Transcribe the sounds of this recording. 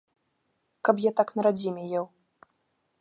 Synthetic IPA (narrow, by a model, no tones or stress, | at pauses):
kɐpjɛt̪aknɐɾad͡zʲimʲɛjɛw